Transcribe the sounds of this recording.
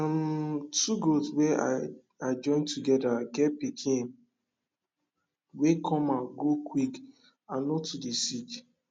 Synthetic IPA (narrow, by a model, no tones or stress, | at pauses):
ɔmtuɡolswɛa̰ | aɪd͡ʒɔ̃ɪ̃ntuɡɛdaɡɛpikʰĩn | wekʰɔ̃mãɡokʰwik | ãnɔtʰudisit͡ʃ